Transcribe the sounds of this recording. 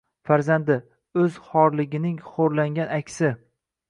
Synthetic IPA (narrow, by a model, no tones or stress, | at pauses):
faɾzand̪ɪ | ɵz̥χɒɾlɪɡʲɪnɪŋχoɾlaŋɡʲanakʲsɪ